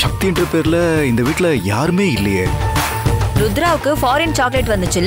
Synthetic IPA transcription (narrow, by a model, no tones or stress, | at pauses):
ʂɐk̚t̪ɪjɪɳɖrɐpeːɾɪlɐɪnd̪ɐʋiːʈːɪlɐjaːɾɯmeːɪlːɐjḛː | ɾʊd̪ɪɾaːʋɯkːɯfaːɾɛnt͡ʃaːkleʈʋɐnd̪ɯt͡ʃːɪlː